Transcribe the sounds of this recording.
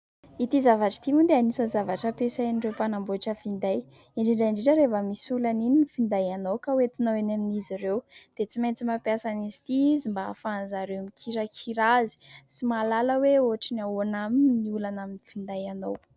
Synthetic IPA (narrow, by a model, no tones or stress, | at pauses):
it̪izavaʈ͡ʂḁt̪iund̪eanisəzavaʈ͡ʂəpesanirewpanambuaʈ͡ʂəfind̪aj | iɳɖ͡ʐiɳɖ͡ʐaiɳɖ͡ʐiɳʈ͡ʂəɾevəmisulanininifind̪ajanowkawet̪inoweneminiziɾewd̪̥et͡simajnt͡simapjasanizi̥t̪izimbaːfanzaɾewmikʰiɾakʰiɾazi̥simalaləweoaʈ͡ʂinanaminiulanaminifind̪ajanow